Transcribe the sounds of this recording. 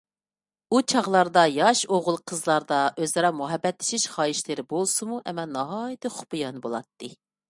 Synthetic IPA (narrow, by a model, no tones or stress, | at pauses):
ut͡ʃʰɑʁlˠɑɾd̪ɑjɑʃoʁʊlˠqʰəzlˠɑɾd̪ɑʔøzɨɾɑmuɦɛbːɛt̪lɪ̥ʃiʃχɑːiʃlɨɾɪbolˠsɨmuʔɛmɛlnɑɦɑjit̪ʰɨχʊ̥pɨjɑnbolˠɑt̪ːɨ